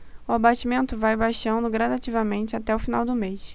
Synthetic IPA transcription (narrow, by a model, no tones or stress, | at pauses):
ʊabat͡ʃimẽnt̪ʊvajbaʃɐ̃nd̪ʊɡɾad̪at͡ʃivɐmẽnt͡ʃɪat̪ɛʊfinawd̪ʊmeʃ